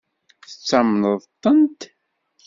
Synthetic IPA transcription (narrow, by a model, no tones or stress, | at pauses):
θət͡sːamnəðˤt̪ˤːənt̪